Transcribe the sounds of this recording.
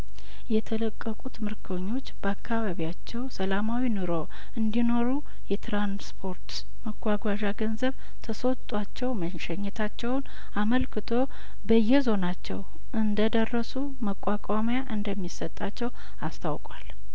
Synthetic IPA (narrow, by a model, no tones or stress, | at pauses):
jɛt̪ʰələkʼːəkʼut̪mɨɾkʰəɲːo̞t͡ʃːb̥əakʰːaβaβijat͡ʃːɛwsəlamawinuɾo̞ | ɨnd̪ino̞ɾu | jɛt̪ɾanspʰo̞ɾt̪ | məɡʷaɡʷaʒaɡənzəβ | t̪ʰəso̞t̪ʼat͡ʃːɛwmənʃɛɲːɛt̪ʰat͡ʃːɛwn | aməlkʰɨt̪ʰo̞ | bəjːɛzo̞nat͡ʃːɛw | ʔɨnd̪əd̪ərːəsu | məkʷʼakʷʼamjaʔɨnd̪əmːisət̪ʼːat͡ʃːɛw | ast̪ʰawkʼwal